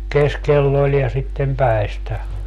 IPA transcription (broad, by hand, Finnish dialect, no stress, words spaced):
keskelː olʲ jɑ sitːem pæi̯stæ